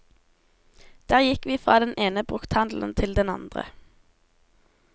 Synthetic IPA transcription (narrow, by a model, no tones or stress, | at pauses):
d̪̥æːʁjɪkʋiːfʁɑːd̪ɛnʔeːnəbʁʉkt̪hɑnd̪l̩n̩t̪ʰɪld̪ɛnɑ̰nd̪ʁə̰